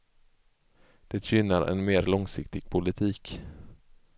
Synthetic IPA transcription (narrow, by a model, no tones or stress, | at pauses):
d̪̥ɛt̪ɕʏnːaɾɛ̰nmeːɾlɔŋsɪkt̪ɪɡ̥̚pʰʊlɪt̪ʰiːk